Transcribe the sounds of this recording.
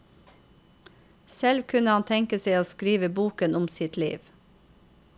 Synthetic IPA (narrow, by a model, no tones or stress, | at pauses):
sɛlʋkʰʉnəhɑnt̪ʰɛŋkəseɪoːskɾiːʋəbuːkənʊmsɪt̪lḭːʋ